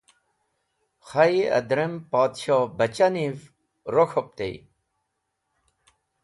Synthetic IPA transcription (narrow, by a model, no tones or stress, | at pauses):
xɐiɐ̰d̪ɾempaːt̪ɕoːbɐt͡ɕaniv | ɾokʰop̚t̪ḛj̰